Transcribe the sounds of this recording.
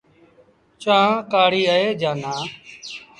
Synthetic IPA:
t͡ʃãːkaːɽiːəeːd͡ʒaːnaː

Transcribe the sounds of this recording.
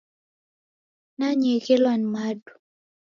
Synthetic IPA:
naɲekelwanmadu̥

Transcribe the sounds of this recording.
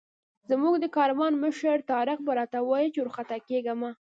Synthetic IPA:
zmuɡd̪əkɑɾwɑnməʃəɾt̪ɑɾɪqbaɾɑt̪awɑjit͡ʃeʊɾxat̪akeɡama

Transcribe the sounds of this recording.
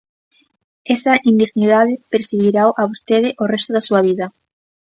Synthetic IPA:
esɐʔind̪iɣniðað̞ɪpeɾsiɣiɾawʔaβost̪eð̞ɪʔorɛst̪ʊðasuɐβ̞iðɐ

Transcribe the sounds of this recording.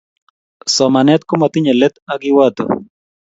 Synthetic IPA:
sɔmanɛt̪̚kumat̪ɪɲɛlɛt̪aɡiwat̪o̰

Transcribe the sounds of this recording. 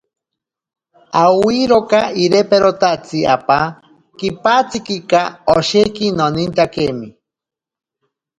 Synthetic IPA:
awiɾokaiɾepeɾot̪at͡sia̰pa | kipat͡sikikaoʃekinonint̪akemi

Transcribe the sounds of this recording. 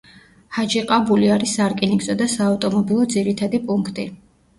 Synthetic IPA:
had͡ʒiqʼabuliaɾisaɾkʼiniɡzɔd̪asaːft̪ʼɔmɔbilˠɔd̪ziɾit̪ʰad̪ipʼuŋkʰt̪ʼi

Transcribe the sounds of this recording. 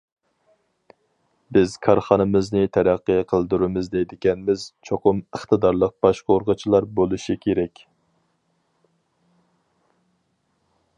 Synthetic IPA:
bɪz̥kʰɑɾχɑnɨmɨznɨt̪ʰɛɾæqːəjqʰəlˠd̪uɾumɨzd̪ɛjd̪ɪkʲɛnmɪz̥t͡ʃʰoqʊməχt̪ɨd̪ɑɾlˠəq̚b̥ɑʃqʰɑoɾʁət͡ʃʰilˠɑɾbolˠuʃikʲʰeɾɛkʲ

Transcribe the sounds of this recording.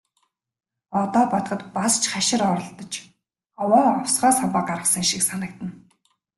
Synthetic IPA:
ɔt̪ɔːpɔt̪χə̆t̪past͡ɕχaʃɪ̆ɾɔɾɞ̆ɮt̪ɞ̆t͡ɕ | ɔwɔːɔwsʁɔːsampə̆qaɾʁə̆χsə̆ŋʃiksanə̆k̚t̪ə̆n

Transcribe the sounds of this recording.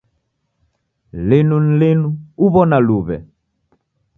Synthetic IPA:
lɪnun̩lɪnuuβɔnaluβɛ̰

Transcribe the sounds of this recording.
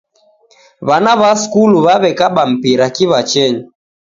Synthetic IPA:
βanaβaskuluβaβɛkaɓam̩piɾakiβat͡ʃɛɲi

